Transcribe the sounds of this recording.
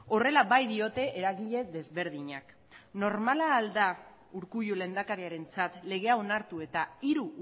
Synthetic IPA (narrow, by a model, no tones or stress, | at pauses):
o̞re̞laβajðio̞t̪e̞ʔeɾaɣiʎe̞ðe̞zβe̞ɾð̞iɲak | no̞ɾmalaːld̪a | uɾkujule̞nd̪akaɾiaɾe̞nt͡sat̪le̞ɣe̞ao̞naɾt̪ue̞t̪aiɾu